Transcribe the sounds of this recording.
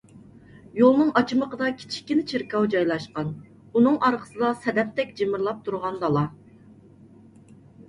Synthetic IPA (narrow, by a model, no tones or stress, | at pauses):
jolˠnɨŋɑt͡ʃʰɨməqʰəd̪ɑkʲʰi̥t͡ʃʰi̥k̚ʲːinɪt͡ʃʰiɾkɑwd͡ʒɑjlˠɑʃqɑn | unɨŋʔɑɾqʰə̥sɨd̪ɑsɛd̪ɛp̚t̪ʰɛkʲd͡ʒemɪɾlˠɑp̚t̪ʰuɾʁɑnd̪ɑlˠɑ